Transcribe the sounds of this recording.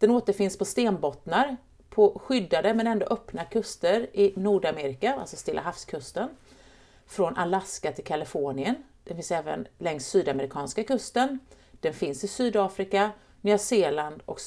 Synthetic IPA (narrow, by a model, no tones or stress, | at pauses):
d̪̥ɛnoːt̪əɾfɪnspʰɔst̪eːnbɔt̪naɾ | pʰɔɧʏd̪ːad̪əmɛnɛnd̪o̰ːʔœpnakʰɵst̪əɾɪnuːɖameːɾɪkaa̰lsɔst̪ɪlːʔa̰ɦafskʰɵst̪ən | fɾɔnʔalaskat̪ʰɪlkʰalɪfoːɳɪən | d̪̥ɛnfɪnsɛːvə̰nlɛŋst̪ːsyːd̪aməɾɪkʰɑːnskakɵst̪ən | d̪̥ɛnfɪnsɪsyːd̪ɑːfɾɪka | nœːseːland̪ɔ̰k